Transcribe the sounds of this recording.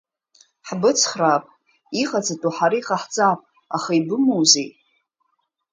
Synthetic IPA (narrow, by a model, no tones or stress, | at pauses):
ħbɨt͡sʰχrapʼ | iχat͡sʰatʼuħaɾaiχaħt͡sʼapʼ | aχaibɨmowzej